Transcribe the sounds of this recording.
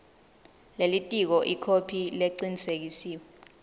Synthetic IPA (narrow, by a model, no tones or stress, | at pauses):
lelitʼik̬ɔʔikʰopʰileǀinisek̬isiːwɛ